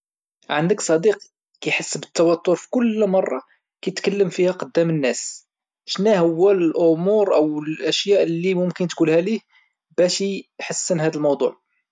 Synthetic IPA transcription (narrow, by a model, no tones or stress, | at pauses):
ʕənd̪əksˤɑd̪iq | kæjħəsːbət̪ːɑwæt̪ːʊɾfi̥kʊlmɑrˤːɑ̰ | kæt̪kəlːəmfihæqəd̪ːæmənːæs | ʃnæhəwːællʔʊmuɾʔəwəlʔæʃjæʔlːimʊmkənt̪kulhælih | b̥æʃiħəsːənɦæd̪əlmɑwd̪ˤṵʕ